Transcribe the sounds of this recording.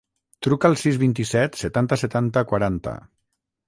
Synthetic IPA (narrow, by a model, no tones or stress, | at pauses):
t̪ɾukəːlˠsizβint̪isɛt̪sət̪ant̪əsət̪ant̪əkwaɾant̪ə̰